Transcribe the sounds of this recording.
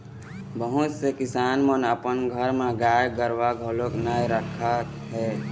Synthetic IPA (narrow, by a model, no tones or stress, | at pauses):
bəɦʊt̪sekɪsaːnmənəpənɡʱəɾmẽɡaːjɡəɾʋaɡʱəloknaɾəkʰa | ɦɛː